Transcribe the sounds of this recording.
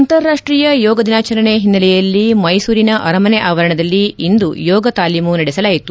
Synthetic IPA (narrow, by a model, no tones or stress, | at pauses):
ɐnt̪ɐɾːaːʂʈɾiːjɐjɔːɡɐd̪inaːt͡ʃɐɾɐɳeɦinːɐlɛjɐlːimɐjsuːɾinɐʔɐɾɐmɐnɛʔaːʋɐɾɐɳɐd̪ɐlːiind̪ujɔːɡɐt̪aːliːmunɐɽɛsɐlaːjit̪u